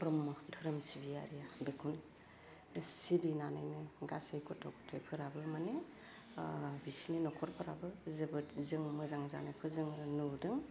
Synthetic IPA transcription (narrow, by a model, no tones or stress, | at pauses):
pɾɯmːɯdʱɯɾɯmsibija̰ɾijabekʰun | sibinana̰jnɯɡa̰sejkʰɔtʰɔkʰɔtʰɔjpʰɯɾabɯmane | bisininɔkʰɔɾpʰɯɾa̰bɯzɯbɯtzɯŋmɯzaŋza̰nɯpʰɯzɯŋnudɯŋ